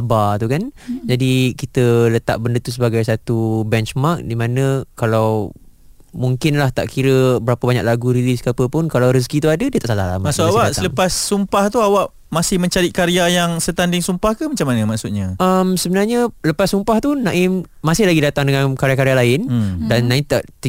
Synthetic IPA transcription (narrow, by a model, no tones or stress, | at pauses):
abat̪ukand͡ʒadikit̪ələt̪a̰ʔ̚bəndət̪usəbaɡajsat̪ubɛnt͡ʃmark̚dimãnə̃kalaw | muŋkɪnlaht̪a̰ʔkʰiɾəbəɾapəbaɲa̰k̚laɡuɾiliskapəpʊnkalawɾəs̬kit̪uadədiət̪aʔsalahla̰mamasuawaʔasaləpasːumpaht̪uawaʔ | masɪhmə̃ɲt͡ʃaɾɪt̪̚kaɾiajaŋsət̪andɪŋsumpahkəmat͡ʃamːanəmaʔksut̪̚ɲaʔəmsəbənarɲələpasːumpaht̪unãʔɪmmasɪhlaɡidat̪aŋdəŋankaɾeakaɾealaɪndanːãɪmt̪aʔt̪